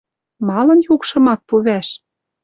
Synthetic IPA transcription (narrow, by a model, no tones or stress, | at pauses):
mɑlɤ̆njukʃɤ̆mɑk̪̚puβæʃ